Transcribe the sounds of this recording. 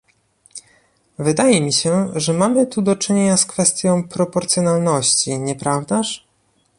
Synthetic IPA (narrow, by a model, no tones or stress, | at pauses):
vɘd̪ajɛmʲiɕɛʐɛmamɘt̪ud̪ɔt͡ʂɘɲeɲaskfɛst̪ʲjɔ̃w̃pɾɔpɔɾt̪sʲjɔnalnɔɕt͡ɕiɲɛpɾavd̪aʂ